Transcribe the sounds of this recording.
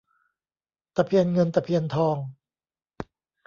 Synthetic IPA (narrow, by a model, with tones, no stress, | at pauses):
t̪a˧pʰi˧ənŋɤ˧nt̪a˧pʰi˧ənt̪ʰɔː˧ŋ